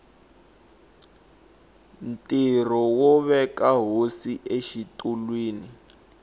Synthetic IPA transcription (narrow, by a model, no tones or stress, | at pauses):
n̩tʼirɔwɔβɛkaɦosiʔeʃitulwiːni